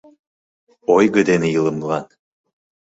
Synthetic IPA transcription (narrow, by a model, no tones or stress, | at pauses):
ojɡɯ̆d̪enijɯlˠɯmlˠɑn